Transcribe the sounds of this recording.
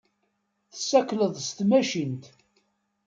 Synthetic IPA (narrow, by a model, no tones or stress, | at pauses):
θəsːækləðˤst̪mæʃint̪